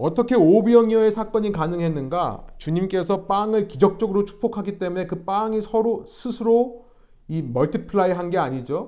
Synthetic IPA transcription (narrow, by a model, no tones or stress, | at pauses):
ʌt͈ʌkʰe̞obiʌŋiʌe̞sʰak͈ʌɲikanɯŋɦe̞nːɯnɡa̰t͡ɕuɲimk͈e̞s̬ʰʌp͈aŋɯɭkid͡ʑʌk̚t͡ɕ͈ʌɡɯɾot͡ɕʰu̥pʰokʰaɡit͈e̞mune̞kɯp͈aŋisʰʌɾosʰɯsʰɯɾo | imʌɭtʰipʰɯɭaiɦanɡe̞aɲid͡ʑo